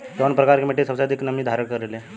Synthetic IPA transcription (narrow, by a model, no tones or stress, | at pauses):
t̪onpɾəkaɾkemeʈːesəwsad̪iknəmiːd̪ʱaɾəɳkəɾele